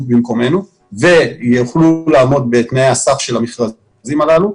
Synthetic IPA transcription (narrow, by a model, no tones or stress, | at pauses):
bimko̞me̞nu | ve̞jeχlulaːmo̞d̪̚beːt̪nejasafʃe̞lamiχʁa | zimalalu